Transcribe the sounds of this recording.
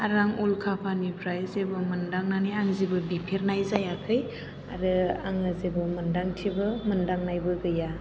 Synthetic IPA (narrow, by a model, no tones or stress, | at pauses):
aɾaŋulkʰapʰanipʰɾajzebɐmɯndaŋnanijaŋzebɯbipʰeɾnajzajakʰɯj | a̰ɾɯaŋɯzebɐmɯndaŋtʰibɯmɯndaŋnajbɯɡɯja